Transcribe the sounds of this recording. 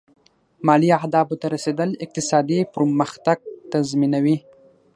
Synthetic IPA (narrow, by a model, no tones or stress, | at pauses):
mɑliahd̪ɑbot̪aɾased̪əlɪq̚t̪ɪsɑd̪ipɾməxt̪aɡ̚t̪azminawi